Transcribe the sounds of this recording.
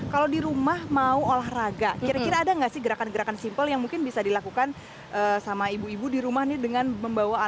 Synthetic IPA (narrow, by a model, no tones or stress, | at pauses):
kalawdiɾumahmauolahraɡakiɾakiɾaːdaŋɡaʔsɪhɡəɾakanɡəɾakansimpəljaŋmuŋkɪnbisadilakukan | ʔəːsamaibuibudiɾumahnɪdəŋanməmbawaː